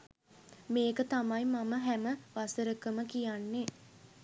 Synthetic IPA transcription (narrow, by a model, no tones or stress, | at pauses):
meːkət̪amajmaməɦæməʋasəɾəkəməkijanːe